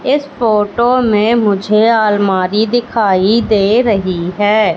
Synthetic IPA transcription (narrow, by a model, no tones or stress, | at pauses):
ɪsfoːʈomẽmʊd͡ʒʱeaːlmaːɾid̪ɪkʰaːid̪eːɾɐɦiɦɛː